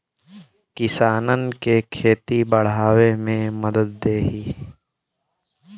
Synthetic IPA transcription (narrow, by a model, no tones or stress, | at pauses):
kɪsaːnənkekʰeːt̪ibəɽ̤aːwemẽməd̪əd̪̚ːeːɦiː